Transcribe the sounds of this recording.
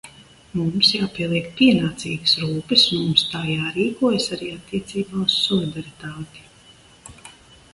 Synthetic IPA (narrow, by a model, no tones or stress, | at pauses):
mumsjaːpiɛlˠiɛk̚piɛnaːt̪siːɡəsɾuːpɨsmumst̪aːjaːɾiːkuɔjsaɾiːat̪ːiɛt̪siːbaːussɔlˠid̪aɾit̪aːt̪i̥